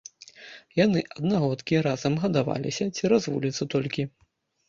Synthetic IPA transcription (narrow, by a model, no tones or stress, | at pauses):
janɨʔɐd̪naɣɔt̪kʲiɾazɐmɣɐd̪ava̰lʲḭsʲɐt͡sʲiɾazvṵlʲit̪sːɐt̪ɔlʲkʲi